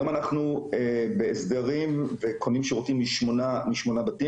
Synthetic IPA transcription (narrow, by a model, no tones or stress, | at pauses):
manaχnuebeesd̪aʁimvekʰonimʃeʁotimiʃmonamiʃmonabati